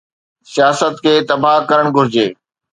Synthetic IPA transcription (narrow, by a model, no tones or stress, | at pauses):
sijaːsət̪kʰeːt̪ɐbakɐɾəɽ̃ɡʱʊɾɪd͡ʑeː